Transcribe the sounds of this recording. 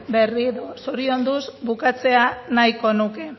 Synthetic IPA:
be̞riðosoɾio̞nd̪uzbukat͡se̞anajko̞nuke̞

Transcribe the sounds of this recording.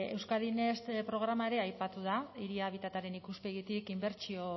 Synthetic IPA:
e̞wskaðine̞st̪pɾo̞ɣ̞ɾamae̞ɾe̞ajpat̪uðaiɾiaβ̞it̪at̪aɾe̞nikuspe̞ɣit̪ikimbe̞ɾt͡ʃio̞

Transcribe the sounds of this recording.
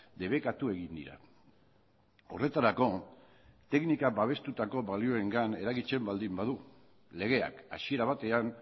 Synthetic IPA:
d̪e̞β̞e̞kat̪ue̞ɣind̪ḭɾa̰ | o̞̰re̞t̪aɾako̞ | t̪e̞knikabaβ̞e̞st̪ut̪ako̞βalio̞e̞ŋɡane̞ɾaɣit͡se̞mbald̪imbaðu | le̞ɣ̞e̞a̰ka̰sie̞ɾaβ̞at̪e̞an

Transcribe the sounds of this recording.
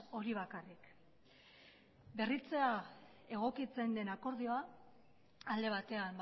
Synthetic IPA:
o̞ɾiβ̞akarik | be̞rit͡se̞a | e̞ɣ̞o̞kit͡se̞nd̪e̞nako̞ɾð̞ioa | ald̪e̞β̞at̪e̞am

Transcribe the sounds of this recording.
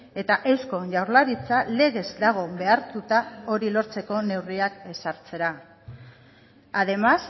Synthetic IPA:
e̞t̪aʔe̞wsko̞ʝawɾlaɾit͡sale̞ɣe̞zd̪aɣ̞o̞be̞aɾt̪ut̪ao̞ɾilo̞ɾt͡se̞ko̞ne̞wriake̞saɾt͡se̞ɾa | aðe̞mas

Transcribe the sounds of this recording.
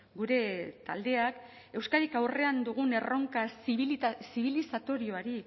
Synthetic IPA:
ɡuɾe̞t̪a̰ld̪e̞ak | e̞wskaɾikawre̞and̪uɣ̞une̞ro̞ŋkasβsiβ̞ilisat̪o̞ɾio̞aɾi

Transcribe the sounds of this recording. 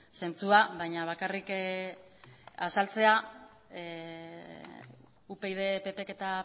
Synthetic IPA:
se̞nt͡suaβajɲaβ̞akarik | asalt͡se̞a | upe̞iðe̞pe̞pe̞ke̞t̪a

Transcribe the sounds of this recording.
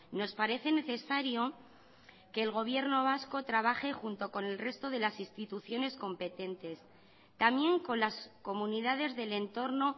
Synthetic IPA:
no̞spaɾe̞θe̞ne̞θe̞saɾjo̞ | ke̞ːlɣo̞β̞je̞ɾno̞β̞asko̞t̪ɾaβ̞aχe̞xunt̪o̞ko̞ne̞lre̞st̪o̞ðe̞lasinst̪it̪uθjo̞ne̞sko̞mpe̞t̪e̞nt̪e̞s | t̪amje̞ŋko̞nlasko̞mũniðaðe̞zðe̞le̞nt̪o̞ɾno̞

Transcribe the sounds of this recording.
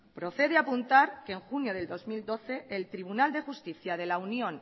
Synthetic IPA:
pɾo̞θe̞ðeapunt̪aɾkeŋxunjo̞ð̞e̞ld̪o̞zmild̪o̞θe̞ːlt̪ɾiβ̞unald̪e̞xust̪iθjað̞e̞launjõ̞n

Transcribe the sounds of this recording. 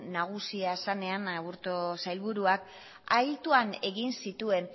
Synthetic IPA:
naɣ̞usiasane̞anaβuɾt̪osajlβuɾuak | ajlt̪uane̞ɣinsit̪ue̞n

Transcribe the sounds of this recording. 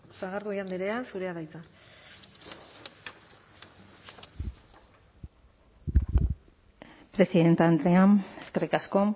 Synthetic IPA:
saɣaɾðuiand̪eɾeasuɾeaðajt͡sa | pɾe̞siðe̞nt̪and̪ɾeaneske̞rikasko̞

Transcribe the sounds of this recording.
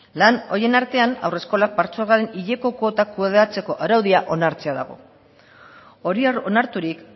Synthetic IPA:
lano̞je̞naɾt̪e̞ana̰wre̞sko̞lak̚baɾt͡solɣaɾe̞niʎe̞ko̞kot̪akuðat͡se̞ko̞ʔaɾawðiaʔo̞naɾt͡se̞aða̰ɣ̞o̞̰ | o̞ɾiaɾo̞naɾt̪uɾik

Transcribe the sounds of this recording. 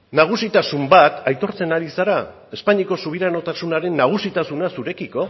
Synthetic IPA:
naɣ̞usit̪asumbat̪ajt̪o̞ɾt͡se̞naɾisaɾa | e̞spaɲiko̞suβ̞iɾano̞t̪asunaɾe̞nːaɣ̞usit̪asunasuɾe̞kiko̞

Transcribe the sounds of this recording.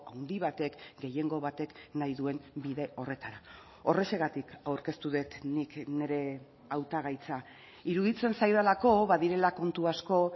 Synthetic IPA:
awnd̪iβ̞at̪e̞kɡe̞je̞ŋɡo̞βat̪e̞knajðue̞nbiðe̞o̞re̞t̪aɾa | o̞re̞se̞ɣat̪ikawɾke̞st̪uðe̞t̪nikne̞ɾe̞ | awt̪aɣ̞ajt͡sa | iɾuðit͡se̞nsajðalako̞βaðiɾe̞lako̞nt̪uasko̞

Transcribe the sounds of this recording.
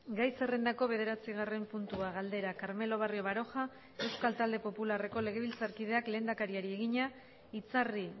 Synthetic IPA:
ɡajse̞re̞nd̪ako̞β̞e̞ð̞e̞ɾat͡siɣ̞are̞mpunt̪uaɣ̞ald̪e̞ɾakaɾme̞lo̞β̞ario̞βaɾo̞xa | e̞wskalt̪ald̪e̞po̞pulare̞ko̞le̞ɣ̞e̞β̞ilt͡saɾkiðe̞akle̞ːnd̪akaɾiaɾie̞ɣ̞iɲa | it͡sari

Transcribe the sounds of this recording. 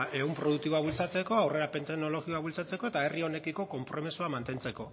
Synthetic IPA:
e̞umpɾo̞ð̞uk̚t̪iβoaβult͡sat͡se̞ko̞awre̞ɾape̞nt̪eɣno̞lo̞ɣio̞aβult͡sat͡se̞ko̞e̞t̪aerio̞ne̞kiko̞ko̞mpɾo̞misuamant̪e̞nt͡se̞ko̞

